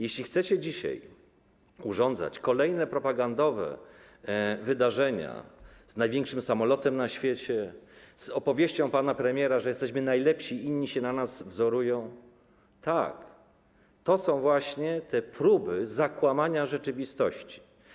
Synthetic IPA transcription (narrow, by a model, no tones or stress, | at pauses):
jɛɕlʲixt̪sɛt͡ɕɛd͡ʑiɕa̰j | uʐɔnd̪za̰t͡ɕkɔlɛjnɛpɾɔpaɡand̪ɔvɛ̰ | vɘd̪aʐɛɲa̰znajvʲeŋkʂɘmsamɔlɔt̪ɛmnaɕfʲjet͡ɕɛ | z̥ɔpɔvʲjeɕt͡ɕɔ̃w̃panapɾɛmʲjɛɾaʐɛjɛst̪ɛɕmɘnajlɛpɕiiɲːiɕɛnanazvzɔɾujɔ̃w̃ | t̪ak | t̪ɔsɔ̃w̃vwaɕɲɛt̪ʰɛpɾubɘzakwamaɲaʐɛt͡ʂɘvʲist̪ɔɕt͡ɕi̥